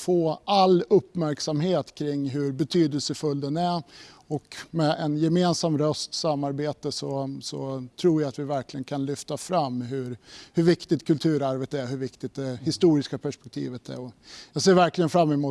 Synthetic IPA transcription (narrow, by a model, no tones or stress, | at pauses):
foːʔalːɵpːmæɾksamɦeːt̪kʰɾɪŋːɦɵɾbɛt̪ʰyːd̪əlsəfɵld̪ɛnæɔkmɛʔɛnjɛmeːnsamɾœst̪samːaɾbeːt̪əsɔsɔt̪ʰɾuːɾjaat̪vɪvæɾklɪɡənkʰanlʏft̪afɾamːɦɵɾhɵɾvɪkt̪ɪt̪kʰɵlt̪ʰʉ̟ːɾaɾvət̪æɾɦɵɾvɪkt̪ɪt̪̚d̪ɛhɪst̪uːɾɪskapʰæʂpɛ̥k̚t̪ʰḭːvət̪æ̰ɾɔjɑːɡseːɾvæɾklɪɡənfɾamːɛmuː